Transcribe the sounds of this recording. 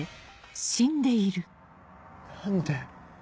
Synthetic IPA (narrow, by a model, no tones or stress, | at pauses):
ɕĩnd̪e̞iɾɯ̟ | nand̪e